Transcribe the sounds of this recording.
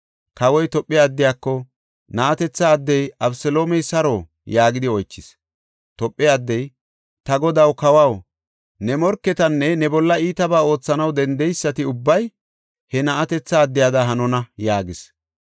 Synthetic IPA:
kɐwɔjt̪ɔpʼːɪjaːd̪ːɪjaːkːɔ | nɐʔɐt̪ɛt͡sːɐːd̪ːɛjɐbsɛlo̞ːmɛjsɐɾoː | jaːɡɪd̪ɪɔjt͡ʃːɪs | t̪ɔpʼːɪad̪ːɛj | t̪ɐɡɔd̪ɐwkɐwɐw | nɛmɔɾkːɛt̪ɐnːɛnɛbɔlːɐiːt̪ɐbaːo̞ːt͡sːɐnɐwd̪ɛnd̪ɛjsːɐt̪ɪʊbːɐj | hɛnɐʔɐt̪ɛt͡sːɐːd̪ːɪjaːd̪ɐɦɐnɔnɐjaːɡɪs

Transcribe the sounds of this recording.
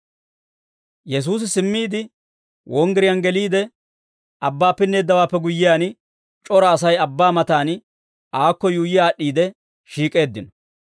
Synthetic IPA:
jɛs̬uːs̬ɪsɪmːiːd̪ɪ | wɔŋɡɛɾɪjanɡɛliːd̪ɛ | ɐbːaːpːɪnːe̞ːd̪ːɐwaːpːɛɡʊjːɪjaːn | t͡ʃʼɔɾɐːsɐjɐbːaːmɐt̪aːn | aːkːɔjuːjɪjaːɗːiːd̪ɛ | ʃiːkʼe̞ːd̪ːɪnɔ

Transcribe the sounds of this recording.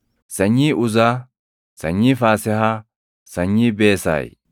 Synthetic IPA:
sɐɲːiːʔʊza | sɐ̰ɲːiːfaːsɛɦɐ | sɐɲːiːbeːsa̰ːj

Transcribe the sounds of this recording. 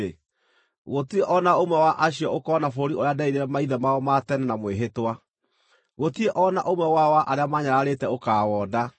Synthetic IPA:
ɣotieʔɔnaomwɛwaʔaɕiɔokɔnafooɾiʔoɾeadaiɾeɾɛmaiðɛmaɔmatɛnanamweɦetwa | ɣotieʔɔnaʔomwɛwawaʔaɾeamaɲaɾaɾetɛokaːwɔːda

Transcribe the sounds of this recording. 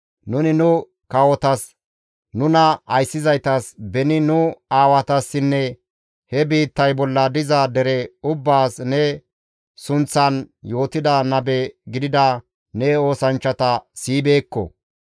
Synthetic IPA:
nʊnɪnʊ | kɐwɔt̪ɐs | nʊnɐɐjsːɪzɐjt̪ɐsbɛnɪnʊaːwɐt̪ɐsːɪnːɛ | hɛbiːt̪ːɐjbɔlːɐd̪ɪzɐd̪ɛɾɛʊbːaːsnɛ | sʊnt͡sːɐnjo̞ːt̪ɪd̪ɐnɐbɛɡɪd̪ɪd̪ɐ | nɛo̞ːsɐnt͡ʃːɐt̪ɐsiːbe̞ːkːɔ̰

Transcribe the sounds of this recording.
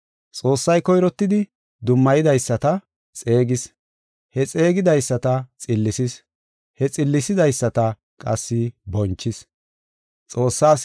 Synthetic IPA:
t͡sʼo̞ːsːɐjkɔjɾɔt̪ːɪd̪ɪ | d̪ʊmːɐjɪd̪ɐjsːɐt̪ɐ | t͡sʼe̞ːɡɪs | hɛt͡sʼe̞ːɡɪd̪ɐjsːɐt̪ɐt͡sʼɪlːɪsɪs | hɛt͡sʼɪlːɪsɪd̪ɐjsːɐt̪ɐ | kʼɐsːɪbɔnt͡ʃːɪs | t͡sʼo̞ːsːaːs

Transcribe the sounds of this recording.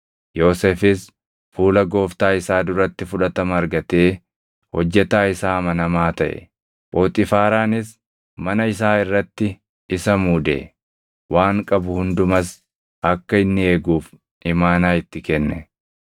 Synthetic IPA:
jo̞ːseːfɪs | fuːlɐɡo̞ːft̪aːɪsaːd̪ʊɾɐt̪ːɪfʊᶑɐt̪ɐmɐɐɾɡɐt̪e̞ː | hɔd͡ʒːɛt̪aːɪsaːmɐnɐmaːt̪ɐʔɛ̰ | bo̞ːt̪ʼɪfaːɾaːnɪs | mɐnɐɪs̬aːɪrːɐt̪ːɪ | ɪsɐmuːd̪ḛ | waːŋkʼɐbʊhʊnd̪ʊmɐs | ʔɐkːɐɪnːɪe̞ːɡuːf | ɪmaːnaːɪt̪ːɪkɛnːɛ

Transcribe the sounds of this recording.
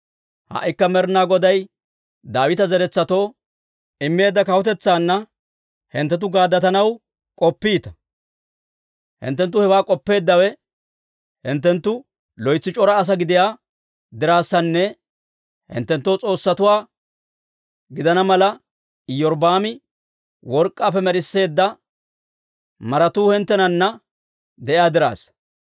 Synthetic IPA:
hɐ̰ʔɪkːɐmɛɾnaːɡɔd̪ɐj | d̪aːwɪt̪ɐzɛɾɛt͡sːɐt̪o̞ː | ɪmːe̞ːd̪ːɐkɐwɔt̪̬ɛt͡sːaːnːɐ | hɪnt̪ːɛt̪̬ʊɡaːd̪ːɐt̪ɐnɐw | kʼɔpːiːt̪ɐ̥ | hɪ̰nt̪ːɛnt̪ːʊhɛwaːkʼɔpːe̞ːd̪ːɐwɛ | hɪnt̪ːɛnt̪ːʊ | lɔjt͡sːɪt͡ʃʼɔɾɐːs̬ɐɡɪd̪ɪjaː | d̪ɪɾaːsːɐnːɛ | hɪ̰nt̪ːɛnt̪ːowt͡sʼo̞ːsːɐt̪ʊwaː | ɡɪd̪ɐnɐmɐlɐ | ɪjɔɾbaːmɪ | wɔɾkʼːaːfɛmɛɾɪsːe̞ːd̪ːɐ | mɐɾɐt̪uːhɛnt̪ːɛnɐnːɐ | d̪ɛʔɪjaːd̪ɪɾa̰ːs

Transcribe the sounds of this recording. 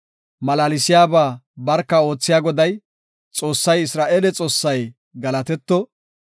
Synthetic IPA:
mɐlaːlɪsɪjaːbaːbɐɾkːɐo̞ːt͡sːɪjaːɡɔd̪ɐj | t͡sʼo̞ːsːɐjɪsɾaːʔeːlɛt͡sʼo̞ːsːɐj | ɡɐlɐt̪ɛt̪ːɔ

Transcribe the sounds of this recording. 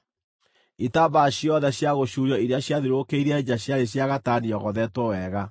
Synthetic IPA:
itabaɕjɔðɛɕjaɣoɕuɾjɔiɾjaɕjaðiɾokeiɾeaeɲaɕjaɾeɕjaɣataniɔɣɔðɛtwɔwɛɣa

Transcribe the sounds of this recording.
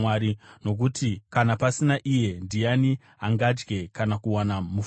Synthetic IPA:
waɾino̞k̬utikanapasinaʔije̞ndijani | aŋɡad͡ʒɡe̞kanakuwanamuf

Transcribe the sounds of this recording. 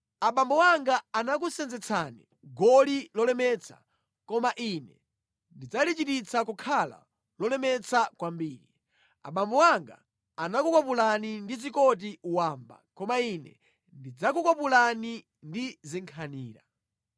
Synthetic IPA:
aɓambɔwaŋɡaːnak̬usɛnd͡zɛt͡sʰanḭ | ɡɔlilɔlɛmɛt͡sʰa̰ | kɔmaʔinɛ | ndid͡zalit͡ʃitit͡sʰakukʰala̰ | lɔlɛmɛt͡sakwambiːɾi | a̰ɓambɔwaŋɡa̰ː | nakukwapulanindizikɔt̬iuwaːmba̰kɔmainɛ̰ | ndid͡zak̬ukwapulani | ndiziŋkʰaniːɾa̰

